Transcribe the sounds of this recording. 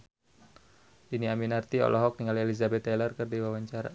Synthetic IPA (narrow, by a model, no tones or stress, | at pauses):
ʔiniaminart̪iɔ̰lʔɔɦɔk̚niŋalelizabɛt̪ːɛlərkɨrdiwawaɲt͡ʃaɾa̰